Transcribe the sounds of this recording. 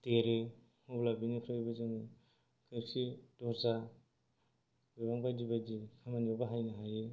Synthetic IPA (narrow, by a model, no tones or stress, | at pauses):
teɾe | hublabinikʰɾɯbazɯŋi | kʰɯksidɔza | bibaŋbadibadikʰamanɔbaɦajnaɦaje